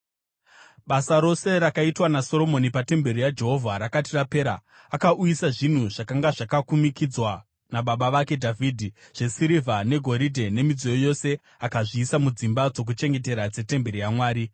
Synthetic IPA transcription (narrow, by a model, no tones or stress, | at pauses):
ɓasaɾo̞se̞ɾakaitwanaso̞ɾo̞mo̞nipate̞mbe̞ɾijad͡ʒe̞ɦo̞vʱaɾakatirape̞ːɾaː | kaʔujisaʐin̤uʐakaŋɡaʐakakumikid͡zwa | naɓaɓaʋake̞dʱavʱidʱi | ʐ̥e̞siɾivʱane̞ɡʱo̞ɾidʱene̞mid͡zojojo̞se̞ | akaʐiːsamud͡zimbad͡zo̞k̬ut͡ʃe̞ŋɡe̞t̬e̞ɾad͡ze̞te̞mbe̞ɾijamwaːɾi